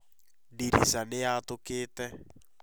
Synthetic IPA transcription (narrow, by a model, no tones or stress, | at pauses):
diɾḭzaneatokeːtɛ